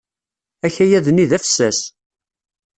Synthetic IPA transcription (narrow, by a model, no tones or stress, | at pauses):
æçæjæðniðæfə̥sːæs